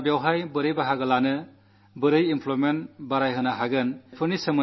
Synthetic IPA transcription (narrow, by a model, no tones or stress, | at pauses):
bjawɦajbɯɾɯjbaɦaɡɯlanɯ | bɯɾɯjimpʰlomenbaɾajɦɯnaɦaɡɯnpʰɯɾnisɯmɯ